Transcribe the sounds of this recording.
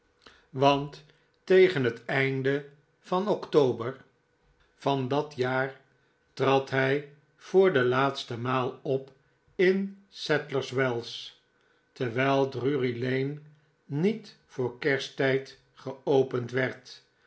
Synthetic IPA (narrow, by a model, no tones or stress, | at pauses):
ʋɑntː | ejχənɦətɛjndə | v̥ɑnɔktowbəɹ | vɑndɑtjaːɹ | trɑtɦɛj | v̥ʊːɹdəlaːtstəmaːlˠɔp | ɪnsɛtləɹswɛlˠs | təɹʋɛjlˠdryrilejnː | it | fʊːɹkɛɹstɛjt | χəowpəntʋɛɹt